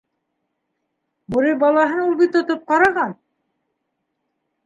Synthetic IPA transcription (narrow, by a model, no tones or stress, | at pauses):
buɾibɑlˠɑɦɤnulˠbit̪ŏt̪op̚qɑɾɑʁɑn